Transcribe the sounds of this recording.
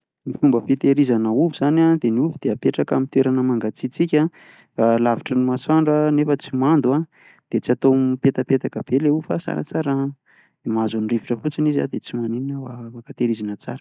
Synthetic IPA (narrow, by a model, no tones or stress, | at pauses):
mifumbəfit̪eɾizanəuvuzanad̪eniuvud̪̥eapeʈ͡ʂaka̰mit̪weɾanəmaŋɡat͡sit͡sikʲa | alaviʈ͡ʂənimaswaɳɖ͡ʐənefət͡simand̪ua | d̪̥et͡siat̪omipet̪apet̪akəb̥eleufasa̰ɾa̰t͡saɾə | imazuniriviʈ͡ʂəfut͡siniza̰d̪et͡simanininəwaakat̪eɾizanət͡sa̰ɾə